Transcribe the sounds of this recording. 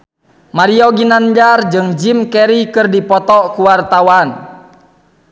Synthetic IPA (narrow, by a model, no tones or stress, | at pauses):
maɾioɡinand͡ʒard͡ʒɨŋd͡ʒimkɛɾikɨrdipɔt̪ɔkuwart̪awan